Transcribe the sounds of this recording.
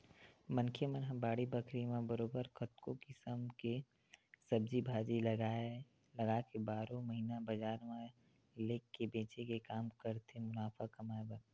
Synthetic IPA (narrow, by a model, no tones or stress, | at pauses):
mɐ̃nkʰemɐnɦãbaːɽibəkʰɾimẽbəɾoːbəɾkɐt̪kokɪsəmke | sɐb̚d͡ʒibʱaːd͡ʒila | lɐɡakebaːɾõmɐɦiːnabɐd͡ʒaːɾmã | leːkːebeːt͡ʃekekaːmkɐɾt̪ʰemʊnaːfakɐmaːebən